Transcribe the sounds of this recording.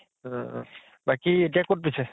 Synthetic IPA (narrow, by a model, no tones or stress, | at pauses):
bakiet̬ijakot̚pisɛ